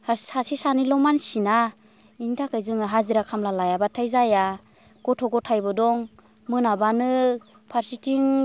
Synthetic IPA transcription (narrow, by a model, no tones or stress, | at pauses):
hasasisanilɔmansina | indakajzɯŋaɦaziɾakʰamlalajabatʰajzaja | ɡ̥ɔtʰɔɡɔtʰajbɔdɔŋ | mɯnabanɯ | pʰaɾsitiŋ